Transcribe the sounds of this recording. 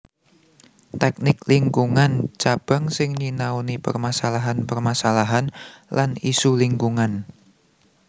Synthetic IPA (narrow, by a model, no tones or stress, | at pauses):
t̪ɛk̚nɪk̚liŋkuŋant͡ʃab̥a̤ŋsɪŋɲinaunipərmasalaɦanpərmasalaɦanlanisuliŋkuŋan